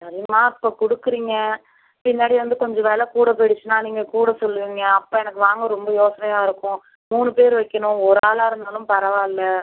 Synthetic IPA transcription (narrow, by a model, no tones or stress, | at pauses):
sɐɾɪjɐmaːɪpːoːkɔɽɯkːɯɾiːŋɡɐ | pɪnːaːɽiʋɐnd̪ɯkɔɲd͡ʒɔ̃ʋeːlɐkuːɽɐpɛɽɪt͡ʃːɯnaːniːŋɡɐkuːɽɐsɔlːɯʋiːŋɡɐːpːoːɛnɐkːɯʋaːŋɡɐɾɔmbɐjoːsɐnɐjaːɪɾɯkːʊ̃ | muːnɯpeːɾɯʋɐɪkːɐɳʊ̃ɔɾaːlaːɪɾɯnd̪aːlɯ̃mpɐɾɐʋaːɪlːɐ